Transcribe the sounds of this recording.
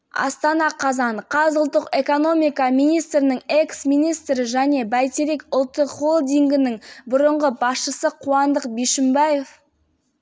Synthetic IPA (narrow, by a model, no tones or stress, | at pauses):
ɑ̰st̪ɑnɑqʰɑzɑɴqʰɑzʊlˠt̪ːəqe̞ko̞no̞mijkɑmijnijst̪ɾɪnɪŋe̞ksmijnijst̪ɾɪʒæne̞bæjt̪eɾe̞kʊlˠt̪ːəqʁo̞lˠd̪iŋɡʲɪnɪŋbʊɾəɴʁəbɑsʃəsəqʰuɑnd̪əqbeʃɪmbɑje̞f